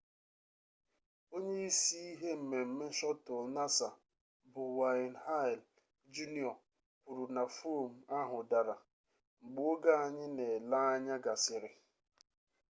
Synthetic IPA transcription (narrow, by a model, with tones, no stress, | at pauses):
o˦ɲe˦i˦si˦i˦ɦe˦m̩˨me˨m̩˨me˦ʃɔ˦tʊ˨lna˦sa˨ | bʊ˨wa˨nɦa˦ɪ˨l | d͡ʒu˦ni˦ɔ˨ | ku˨ɾu˨na˨fo˦˨m̩˨a˦ɦʊ˨da˨ɾa˨ | ŋ͡m̩˨ɡ͡bu˦o˦ɡa˦a˨ɲɪ˦ne˨la˦a˦ɲa˦ɡa˨sɪ˨ɾɪ˨